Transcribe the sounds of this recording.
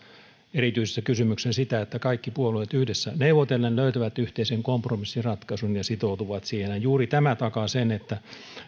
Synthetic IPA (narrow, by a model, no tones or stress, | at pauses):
erit̪yise̥sːækysymyksensit̪æet̪ːækɑikːipuoluet̪yhdesːæneuʋot̪elːenløyt̪æʋæt̪yht̪eiseŋkompromisːirɑt̪kɑsunjɑsit̪out̪uʋɑt̪sihenɑjjuːrit̪æmæt̪ɑkɑsenet̪ːæ